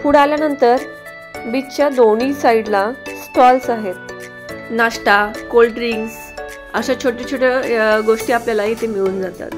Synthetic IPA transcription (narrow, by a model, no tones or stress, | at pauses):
puɽaljanənt̪əɾ | bitt͡ɕjad̪onisaiɽlasʈɔlsaɦet̪̚ | naʂʈakolɖɾiŋɡ | əɕat͡ɕʰoʈit͡ɕʰoʈeɡoʂʈiːapljalait̪emiɭuːnd͡zat̪a̰t̪